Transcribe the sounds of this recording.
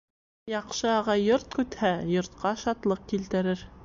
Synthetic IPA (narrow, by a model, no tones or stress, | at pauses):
jɑqʃɤɑʁɑjːoɾt̪̚kʉt̪hæjŏɾt̪qɑʃɑt̪lˠɤq̚kilt̪ɘ̆ɾɘɾ